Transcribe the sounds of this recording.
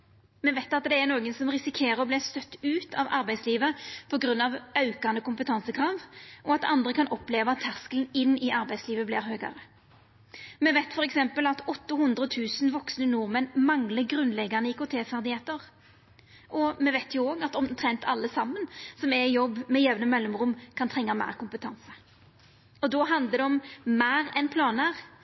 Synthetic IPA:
mɛʋæɪt̪ɑt̪̚d̪ɛːnoːɡənsɔmʁɪsɪkʰeːʁəɔblɪːst̪œt̪ːʉːt̪ʰɑ̰ʋɑ̰ɾbæɪsliːʋəpʰɔɡɾʉnːɑʋɑʉkɑnəkʰʊmpət̪ʰɑnsəkʰʁɑːʋʔɔɑt̪ɑ̰nd̪ʁəkʰɑnʔɔpleːʋəɑt̪ʰːæʁskəln̩ɪnːɪʔɑɾbæɪsliːʋəblɪːɾɦøːɡɑ̰ʁə | mɛʋæɪt̪fɔɾɛksɛmpəlɑt̪ɔt̪ːəhʊnd̪ɾət̪ʰʉːsn̩ʋɔksnənuːʁmɛnmɑŋləɡʁʉnlɛɡɑnəɪkʊt̪ʰeːfæʁd̪ɪheːt̪əʁ | ʔɔmɛʋæɪt̪ʰjʊoːɡɑt̪ɔmt̪ʰʁɛnt̪ʰɑlːəsɑmːənsɔmɛjɔbːmɛjɛʋnəmɛlːɔmʁʊmkʰɑnt̪ʰʁɛŋːɑmæ̰ːʁkʰʊmpət̪ʰɑnsə | ɔd̪ɔːɦɑnd̪ləd̪ɛɔmmæːʁɛnpʰlɑːnæʁ

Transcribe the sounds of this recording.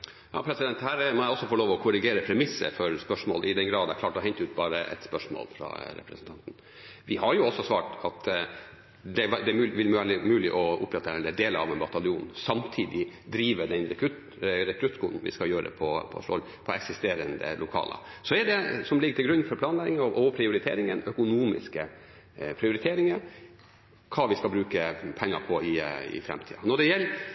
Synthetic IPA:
jɑ̰ːpʰɾɛsɪd̪ɛnt̪hæːɾmɔæɔsːɔfoɭoːʋɔkʰʊɾɪɡeːɾəpʰɾɛmɪsːə̰fɔɾspœʂmoːlʔɪd̪ɛnɡɾɑːd̪ɛkʰlɑːʈɔɦɛɲt̪əʉːt̪̚bɑːɾə̰ʔɛ̰t̪spœʂmo̰ːlfɾɑ̰ɾɛ̰pɾɛsənt̪ɑnt̪n̩ | ʋɪhɑɾjʊɔsːɔsʋɑ̰ːʈɑt̪ | d̪ɛʋd̪ɛʉʋɪlmʋæləmʉːlɪʔɔʊ̰pːɾɛt̪ːəɛlɛd̪eːləɾɑ̰ʋɛnbɑt̪ɑlɪuːnsɑmt̪ʰiːd̪ɪd̪ɾiːʋəɖ̪ɛɾɛkʰɾʉt̪ | ɾɛkʰɾʉt̪ːkʰʊn̩ʋɪ̰skɑjøːɾə̰pʰɔpʰɔ̰sɔ̰l | pʰɔɛksɪst̪eːɾənd̪ə̰lʊkʰɑ̰ːlə̰sɔɛɖɛsɔmlɪɡːət̪ɪɡɾʉnːfɔɾpʰlɑːnlɛɡɪŋɔʔɔpʰɾɪʊɾɪt̪ʰḛːɾɪŋə̰nœkʊnuːmɪ̰skə | pʰɾɪʊɾɪt̪ʰeːɾɪŋə | kʰɑːʋɪskɑlbɾʉːkəpʰɛŋːɑɾpʰɔɪɪ̰fɾɛ̰mt̪ʰḭːɑnɔɖɛjɛlː

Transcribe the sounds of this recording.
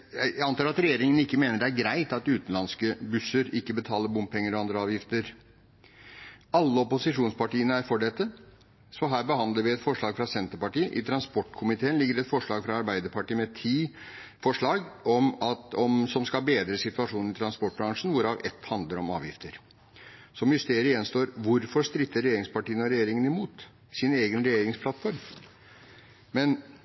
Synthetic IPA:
ææɑnɑːɾɑt̪ɾɛjeːɾɪŋənɪkːəmeːnəɖɛæɾɡɾæɪt̪ɑt̪ʉːt̪n̩lɑnskəbʉsəɾɪkːəbət̪ʰɑːləɾbʊmp̚pʰɛŋːəɾɔɑnd̪ɾəɑːʋjɪft̪əɾ | ɑlːəɔpʊsɪʂuːnspɑʈiːənəæɾfɔɖɛt̪ːə | sɔɦæːɾbəhɑnd̪əɾʋɪɛt̪fɔʂɭɑːɡfɾɑsɛnt̪əɾpɑʈiːəʔɪt̪ʰɾɑnspɔʈːkʰʊmɪt̪ʰeːnlɪɡːəɾɛt̪fɔʂɭɑːɡfɾɑɑɾbæɪd̪əɾpʰɑʈiːəmɛt̪ʰiː | fɔʂɭɑːɡɔmɑt̪ɔmsɔmskɑbeːd̪ɾəsɪt̪ʉɑʂuːnn̩ɪt̪ɾɑnspɔʈ̚ːbɾɑŋʂn̩ʋʊɾɑːʋɛ̰t̪ːhɑnd̪ləɾɔmɑ̰ːʋjɪ̰ft̪ʰəɾ | sɔmjʉst̪eːɾəjɛnst̪oːɾʋʊɾfɔʂt̪ɾɪt̪ːəɾɛjeːɾɪŋspɑʈiːənəɔɾɛjeːɾɪŋənɪmuːt̪ | sɪneːɡənɾɛjeːɾɪŋspʰlɑt̪fɔɾm | mɛn

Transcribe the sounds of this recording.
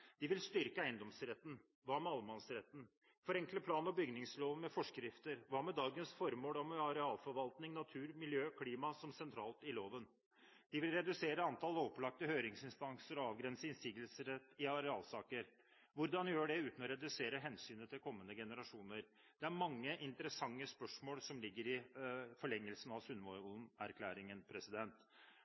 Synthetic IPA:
d̪̥ɪʋɪlst̪ʏɾkəæɪənd̪ɔmsɾɛt̪ːn̩ | ʋɑːmɛɑlmɑnsɾɛt̪ːn̩ | fɔɾɛŋkləpʰlɑːnɔbʏɡnɪŋsloːʋmɛfɔʂkɾɪft̪əɾʋɑːmɛd̪ɑːɡənsfɔɾmoːlɔmɑɾɛɑːlfɔɾʋɑlt̪nɪŋnɑt̪ʰʉːɾmɪljøːkʰliːmɑsɔmsɛnt̪ʰɾɑːlt̪ɪloːʋən | d̪̥ɪʋɪlɾɛd̪ʉseːɾəɑnt̪ʰɑlɔplɑk̚t̪əhøːɾɪŋsɪnst̪ɑŋsəɾɔɑːʋɡɾɛnsəɪnsiːɡəlsəɾɛt̪ːɪɑɾɛɑːlsɑːkəɾ | ʋʊɾd̪ɑnjøːɖɛʉːt̪n̩ɔɾɛd̪ʉseːɾəɦɛnsyːnət̪ʰɪlkʰɔmːənəɡɛnəɾɑʂuːnəɾ | d̪̥ɛæɾmɑŋːəʔɪnt̪əɾəsɑŋːəspœʂmoːlsɔmlɪɡːəɾɪfɔɭɛŋːəlsənɑʋsʉnmoɾʊnæɾkʰlæːɾɪŋənpʰɾɛsɪd̪ɛnt̪

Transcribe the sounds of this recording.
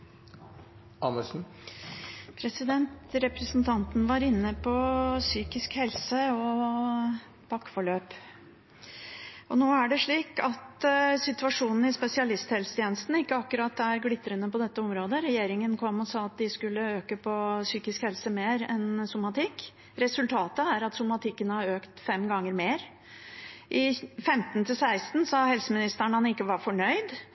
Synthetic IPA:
ʔɑnəʂn̩ | pʰɾɛsɪd̪ɛnt̪ɾɛpɾɛsnt̪ʰɑnt̪nʋɑɾɪnːəpʰɔsyːkɪskhɛlsəɔ | b̥ɑkːfɔɭøːp | ʔɔnoːæɖɛʂɭiːkɑt̪sɪt̪ʉɑʂuːnn̩ɪspɛsɪɑlɪst̪hɛlst̪ʰjeːnəst̪n̩ɪkːəɑkːʉɾɑt̪ːæɾɡlɪt̪ːɾənəpɔd̪ɛt̪ːəɔmɾoːd̪əɾɛjeːɾɪŋənkʰɔmːɔsɑːɑt̪̚d̪ɪskʉlːəøːkəpʰɔsyːkɪskhɛlsəmeːɾɛ̰nsʊmɑt̪ʰɪkː | ɾɛsʉlt̪ʰɑːt̪əæɾɑt̪sʊmɑt̪ʰɪkːənəhɑɾøːkt̪fɛmɡɑŋːəɾmeːɾ | ʔɪfɛmt̪nt̪ʰɪlsæɪst̪n̩sɑɦɛlsəmɪnɪst̪æɳhɑnɪkːəʋɑɾfɔɳœʏd̪

